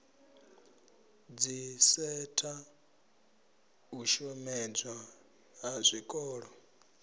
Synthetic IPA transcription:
d͡zisɛtʰʼa | uʃɔmɛd͡zwa | ɦazʷikʼɔːɺɔ

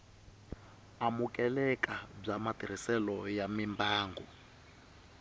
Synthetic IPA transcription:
amukʼɛlɛkʼab͡ʐamatiɾ̤isɛlɔjamimbaːŋɡɔ

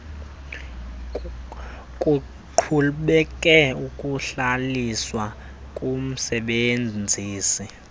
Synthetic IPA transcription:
kʼu | ǃʰulɓɛk̬ʼɛukʼuɬaliswa | kʼum̩sɛɓend͡zʱiːsi

